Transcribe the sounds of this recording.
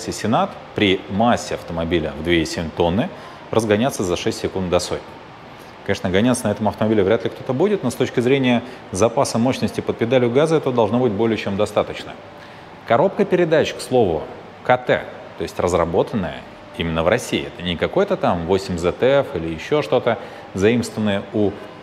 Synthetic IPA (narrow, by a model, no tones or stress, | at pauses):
sʲɪsʲɪnat̪ | pɾʲɪmasʲːɪɐft̪əmɐbʲilʲə̰vd̪vʲeisʲemʲt̪o̞nːɨ | rʔəzɡɐnʲat̪səzɐʂɛsʲtʲsːʲɪkunt̪d̪ɐso̞t̚ʲnʲ | kɐnʲeʂnəɡɐnʲat̪sənɐɛt̪əmɐft̪əmɐbʲilʲɪvɾʲæat̪lʲɪkt̪o̞t̪əbudʲɪt̪no̞st̪o̞t͡ɕkʲɪzɾʲenʲɪjə | zɐpasəmo̞ɕnəsʲtʲɪpəd̪̚pʲɪd̪alʲɪjʊɡazəɛt̪əd̪ɐlˠʐno̞bɨt̚ʲbo̞lʲɪjət͡ɕe̞md̪ɐst̪at̪ət͡ɕnə̰ | kɐɾo̞p̚kəpʲɪɾʲɪd̪at͡ɕkslˠo̞vʊ̰ | kɐt̪ɛ̰ | t̪o̞jɪsʲtʲrəzrɐbo̞t̪ənːəjə̰ | imʲɪnːəvɾʔɐsʲiɪ̰ɛt̪ənʲɪkɐko̞jət̪ət̪amvo̞sʲɪmʲzɛt̪ɛfilʲɪjɪɕːo̞ʂt̪o̞t̪ə | vzɐimst̪vʲɪnːəjəu